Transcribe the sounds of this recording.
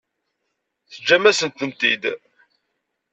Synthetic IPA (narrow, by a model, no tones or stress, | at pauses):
θəd͡ʒːæmæsənt̪ənt̪id̪